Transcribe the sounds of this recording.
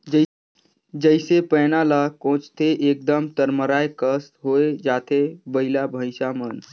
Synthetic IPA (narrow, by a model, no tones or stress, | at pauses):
d͡ʒəɪsepənalakõt͡ʃt̪ʰeʔek̚d̪əmt̪əɾməɾaekəst̪ɦoed͡ʒat̪ʰebəɦilabʱəɪsamən